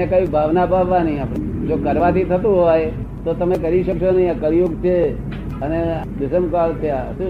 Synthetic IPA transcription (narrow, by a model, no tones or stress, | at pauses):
ekaibʱaʋnapaʋʋãnəɦĩapɽd͡ʒokəɾʋãt̪it̪ʰət̪ũɦoj | t̪ot̪əmekəɾiʃəkʃonəɦĩakəɾjuɡt͡ʃʰe | ənekɪsəmkalt̪ʰjasu